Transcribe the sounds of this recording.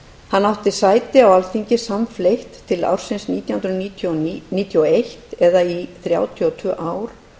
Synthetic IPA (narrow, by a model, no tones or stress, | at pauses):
hanːawht̪ɪsaːjt̪ɪawalθiɲcɪsamflejht̪ʰːɪla̰wɾ̥sɪnsniːt̪jawhʏnɾit̪ʰɔniːt̪ʰjɔejht̪ɛðaiθɾja̰ːwt̪ʰiɔt̪ʰʏːʔaːwɾ̥